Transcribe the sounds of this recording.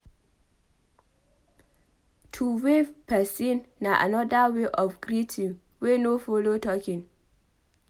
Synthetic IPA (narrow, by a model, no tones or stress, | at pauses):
tʰuwepʰɛsĩnːaʔa̰nɔdaweʔɔfɡɾitʰĩn | wenofolotʰɔkĩn